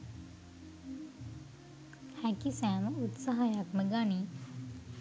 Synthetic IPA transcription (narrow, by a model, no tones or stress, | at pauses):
hækisæːməut̪saɦajakməɡani